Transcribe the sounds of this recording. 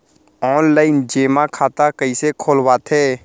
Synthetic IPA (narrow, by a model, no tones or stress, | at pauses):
ɔːnlaːɪnd͡ʒeːmakʰaːt̪akəisekʰoːlwaːt̪ɦɛː